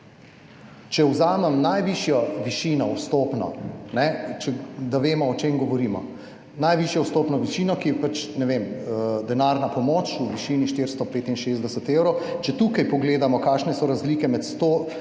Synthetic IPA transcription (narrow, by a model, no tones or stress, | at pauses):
t͡ʃɛwzaːmɛmnajʋiʃjɔʋiʃiːnɔwst̪oːpnɔ̰nɛt͡ʃɛd̪aʋeːmɔːt͡ʃemɡɔʋɔɾiːmɔ̰ | najʋiʃjɔwst̪oːpnɔʋiʃiːnɔkijɛpat͡ʃnɛʋeməd̪ɛnaːɾnapɔmoːt͡ʃuʋiʃiːniʃt̪ɪɾst̪ɔpeːt̪inʃeːzd̪ɛsɛt̪ewɾowt͡ʃɛt̪uːkajpɔɡleːd̪amɔkaːʃnɛsɔɾazliːkɛmɛt̪st̪oː